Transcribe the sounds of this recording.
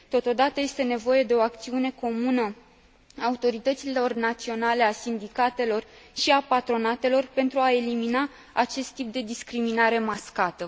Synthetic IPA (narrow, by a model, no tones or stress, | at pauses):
t̪o̞t̪o̞d̪at̪əje̞st̪e̞ne̞vo̞je̞d̪e̞o̞ak̚t̪siune̞ko̞munə | aːut̪o̞ɾit̪ət̪silo̞rnat̪sio̞nale̞asind̪ikat̪e̞lo̞rʃiapat̪ɾo̞nat̪e̞lo̞rpe̞nt̪ɾuae̞limina | at͡ʃe̞st̪ːip̚d̪e̞d̪iskɾiminaɾe̞maskat̪ə